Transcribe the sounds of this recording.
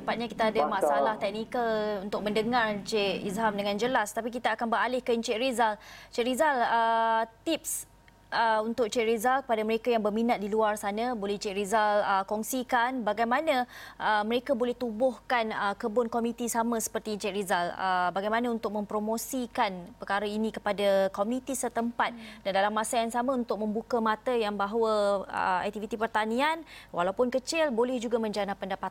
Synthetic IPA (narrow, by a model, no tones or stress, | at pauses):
ssəmpat̪̚ɲakit̪aadamasaalaht̪ɛk̚nikəlunt̪ʊk̚mə̃ndəŋart͡ʃeʔḭsɦamdəŋãnd͡ʒəlast̪apik̬it̪aakanbəɾalɪhkəint͡ʃeʔɾizalt͡ʃeʔɾizalət̪ip̚s | əunt̪ʊk̚t͡ʃeʔɾizalkə̥padaməɾekajaŋbərmĩnat̪̚diluarsanãbolɛht͡ʃeʔɾizaləkɔŋsikanbaɡajmanãʔəmə̃ɾekabolɛht̪ubʊhkanəkəbʊnkomĩt̪isamə̃sə̥pərt̪it͡ʃɛʔɾizalə̰baɡajmãnãunt̪ʊk̚mə̃mpɾomõsikanpərkaɾainĩkəpadakomunĩt̪isət̪əmpat̪̚dandalamːasajaŋsamãunt̪ʊk̚mə̃mbukamat̪əjaŋbaɦwəə̰a̰k̚t̪ivit̪ipərt̪anĩanwʔa̰lawpʊnkət͡ʃɪlbolɛhd͡ʒuɡamə̃ɲd͡ʒanapːəndapat̪a